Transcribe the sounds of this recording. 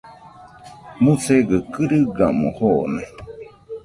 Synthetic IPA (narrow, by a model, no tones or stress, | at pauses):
mũt͡seɡəkɨɾɨɡamõhone